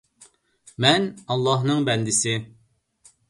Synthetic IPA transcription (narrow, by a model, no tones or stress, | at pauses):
mɛnɑlˠːɑɦnɨŋbɛnd̪ɪsɪ